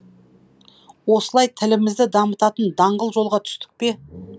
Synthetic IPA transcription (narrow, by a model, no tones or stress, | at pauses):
wo̞səlˠɑjt̪ʰɪlɪmɪzd̪ɪd̪ɑmət̪ɑt̪ənd̪ɑɴʁəlˠʒo̞lˠʁɑt̪ʰʏ̥st̪ɪ̥k̚pe̞